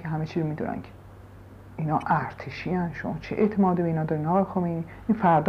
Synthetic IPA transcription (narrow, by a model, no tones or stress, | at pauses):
kʰeɦæmet͡ʃʰiːzɾomiːd̪ṵnʔæ̰nkʰe̥ | inɒːʔæɾt̪ʰeʃiːænʃomɒːt͡ʃʰeʔeʔt̪ʰemɒːd̪ibeiːnɒːd̪ɒːɾinɒːɣːjexomejni | ʔinfæɾd̪